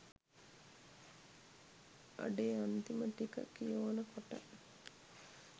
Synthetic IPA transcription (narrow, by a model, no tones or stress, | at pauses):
ʔa̰ɖeːant̪iməʈikə̰kːijoːnəkoʈɐ̰ʔ